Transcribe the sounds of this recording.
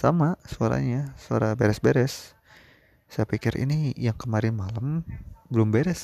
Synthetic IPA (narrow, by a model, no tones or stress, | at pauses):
samasua̰ɾa̰ɲasua̰ɾabeɾɛsbeɾɛs | sajapikɪɾʔḭnijaŋkəmaɾɪnmaləmbəlʊmbɛɾɛs